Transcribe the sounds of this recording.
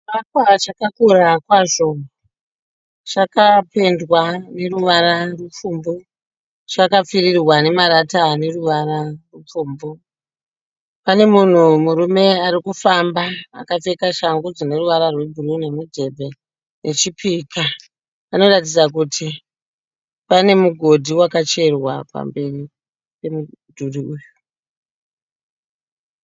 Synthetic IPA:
akwat͡ʃakakuɾakwaʐo̞ | t͡ʃakape̞ndwane̞ruʋaɾarup͡fuːmbo | t͡ʃakap͡firirwane̞maɾatane̞ruʋaɾarup͡fuːmbo | pane̞mun̤umuɾume̞aɾikufamba̰ːkafe̞kaʃaŋɡud͡zine̞ruʋaɾarwe̞ɡʱurune̞mudʱe̞bʱe̞ | nʔe̞t͡ʃipʰika | ano̞rat̬id͡zak̬utʰi | pane̞muɡʱo̞dʱiwakat͡ʃe̞rwa̰pa̰mbe̞ri | pe̞mudʱuriuju

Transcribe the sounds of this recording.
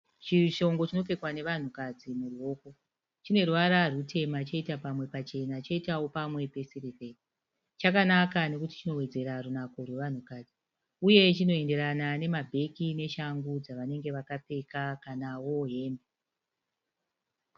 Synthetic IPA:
t͡ʃiʃo̞ŋɡo̞t͡ʃino̞ke̞kwane̞ʋan̤ukad͡zimuruwo̞ːko̞ | t͡ʃine̞ruwaɾarutʰe̞mat͡ʃeitapamwe̞pat͡ʃe̞nat͡ʃeitawo̞pamwe̞pe̞siɾepe̞e | t͡ʃakanakane̞kuti̥t͡ʃino̞we̞d͡ze̞ɾarunako̞rwe̞ʋan̤ukaːd͡zi | uje̞t͡ʃino̞e̞nde̞ɾanane̞mabʱe̞kine̞ʃaŋɡud͡zaʋane̞ŋɡe̞ʋakap͡fe̞kakanawo̞ɦe̞ːmbe

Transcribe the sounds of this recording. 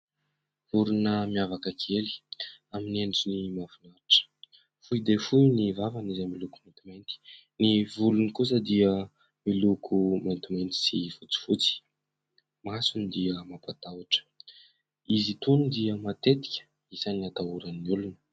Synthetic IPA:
vuɾunəmiavakəkʰeli̥amineɳɖ͡ʐinimavunaɾiʈ͡ʂə̥ | fujd̪efujnivavanizamilukumant̪imajnt̪i̥ | nivulunikus̬əd̪iə | milukʰumant̪imejnt̪i̥sifut͡si̥fut͡si̥ | masunid̪iəmapat̪awaʈ͡ʂə̥ | izit̪unud̪iəmat̪et̪i̥kʲə̥ | isaniat̪auɾəniulunə

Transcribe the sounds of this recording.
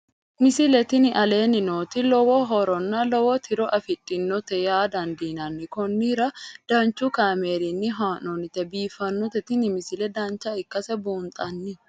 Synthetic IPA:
mɪsɪlɛt̪ɪnɪʔɐle̞ːnɪnoːt̪ɪlɔwɔɦɔɾɔnːɐlɔwɔt̪ʰɪɾɔʔɐfɪt̪ʼːɪnːɔt̪ɛjaːd̪ɐnd̪iːnɐnːɪkɔnːiɾɐd̪̥aːnt͡ʃːukaːmeːɾɪnːɪɦaːnɔnɪt̪ɛbiːfɐnːɔt̪ɛt̪ɪnɪmɪsɪlɛd̪aːnt͡ʃːɐɪkːɐsɛbuːnt̪ʼɐnːɪ

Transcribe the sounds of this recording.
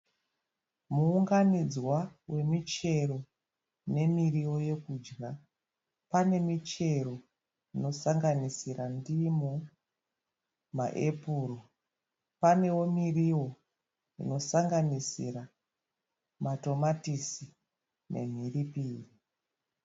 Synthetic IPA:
muːŋɡanid͡zwawe̞mit͡ʃe̞ro̞ | ne̞miriwo̞je̞kuːd͡ʒɡa | pane̞mit͡ʃe̞ro | ino̞saŋɡanisiɾandimu | ma̰ʔe̞puːro | pane̞wo̞miriwo̞ | ḭno̞saŋɡanisḭra | mato̞matisi | ne̞̰m̤iripiːri

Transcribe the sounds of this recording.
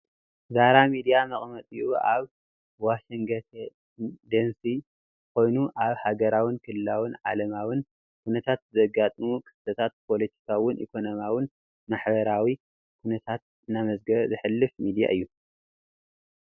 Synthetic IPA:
zaɾamid̪ijamɐχʼmɐt̪ʼjuʔaβ | waʃiŋɡɐt̪ | d̪ensi | kʰo̞jnuʔaβhaɡɐɾawɨnkʰɨlɨlawʊnʕalɐmawɨn | kʰunɐt̪ʰat̪zɐɡat̪ʼmukʰʼɨ̥st̪ʰɐt̪ʰat̪̚pʰo̞lɐt̪ʰi̥kʰawʊnʔḭkʰo̞nomjawɨn | maħbɐɾawi | kʰunɐt̪ʰat̪̚ | ɨnːamɐzɡɐβzɨħɨlːɨfmid̪ija̰ʔɨjːu

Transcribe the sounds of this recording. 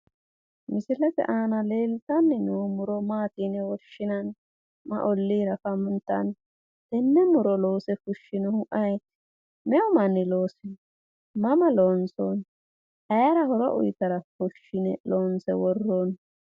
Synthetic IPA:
mɪsɪlɛt̪ɛ̰ʔaːnɐleːlt̪ɐnːɛnumʊɾɔmaːt̪iːnɛwɔʃːɪnɐn | mɐ̰ʔɔlːiːɾɐfɐmʊnt̪ːɐ̰n | t̪ɛnːɛmʊɾɔloːsɛfʊʃːɪnɛhʊʔɐjt̪ | mɛʊmɐnːɪlo̞ːsɛ | mɐmɐloːnson | hɐjɾɐhɔɾɔ̰ʔʊ̰jt̪ɐɾɐfʊʃːɪnɛloːnsɛ̰wɔrːoːn

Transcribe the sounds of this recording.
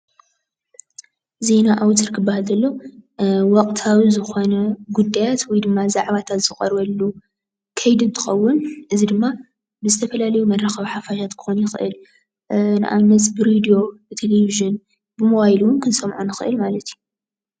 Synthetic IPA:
ze̞naʔawt̪ʰɐɾkʰɨbːahalzɐlːo | wɔkʼt̪ʰawizɨxo̞nɐɡud̪ːajat̪wɔjd̪ɨmːazaʕβat̪ʰat̪z̥ɨkʼɐ̰ɾβɐlːu | kʰɐjd̪ɨnt̪ʰɨ̥xɐwːʊnʔɨzid̪ɨmːa | bɨzɨt̪ʰɐfɐlalɐjumɐrːɐxɐβħafaʃat̪kʰɨ̥xonjɪxɨʔɨ̰l | nɨ̰ʔa̰nɐs̬bɨɾed̪ijo̞bɨt̪ʰeleviʒɨn | bɨmowajluwʊnkʰɨnsɐmʕunɨxɨ̰ʔɨlmalɐt̪ʰju

